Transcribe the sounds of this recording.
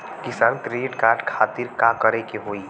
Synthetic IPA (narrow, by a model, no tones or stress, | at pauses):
kɪsaːnkɾeːʈkaːɾɖkʰaːt̪ɪɾkakəɾekeɦoːiː